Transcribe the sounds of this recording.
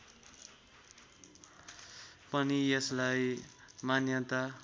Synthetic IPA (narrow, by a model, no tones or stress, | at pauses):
pʌniʌslajmanjʌt̪a